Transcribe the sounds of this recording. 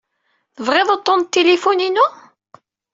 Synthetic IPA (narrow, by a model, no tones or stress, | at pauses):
θəvʁeðˤot̪ˤːont̪ːelefuninu